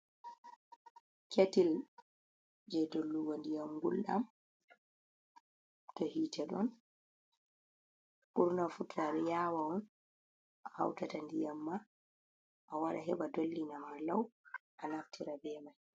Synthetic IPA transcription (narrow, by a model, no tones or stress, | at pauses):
kʰetil | d͡ʒɛdolːuɡɔndijamɡulɗa̰m | tɔhiːtʰɛɗɔn | ɓuɾnafutʰːaɾɛjaːwawɔn | ʔaha̰wtatandijamːa | ʔawaɗaɦɛɓadolːinamaɾlawʔanaftʰiɾabɛːmaj